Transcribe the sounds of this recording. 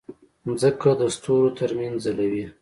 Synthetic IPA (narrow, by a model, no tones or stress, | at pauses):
nzəkad̪əst̪oɾot̪əɾmanzalawi